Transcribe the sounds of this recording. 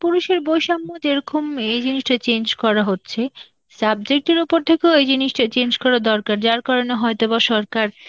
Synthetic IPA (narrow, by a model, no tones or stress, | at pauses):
puɾuʃeɾbojʃamːod͡ʑeɾɔkomejd͡ʑiniʃʈat͡ɕend͡ʑkɔɾaɦotːɕʰe | sab̚d͡ʑek̚ʈeɾupoɾt̪ʰekeoejd͡ʑiniʃʈat͡ɕend͡ʑkɔɾad̪ɔɾkaɾd͡ʑaɾkɔɾoneɦɔet̪obaʃɔɾkaɾ